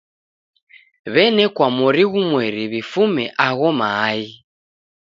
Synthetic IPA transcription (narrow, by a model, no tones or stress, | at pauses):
βɛnɛkwamɔɾiɣumwɛɾiβifumɛʔaɣɔmaːi